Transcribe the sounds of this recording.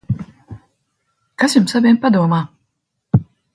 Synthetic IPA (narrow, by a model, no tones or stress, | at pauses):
kasjumsavʲɛmpad̪uɔmaː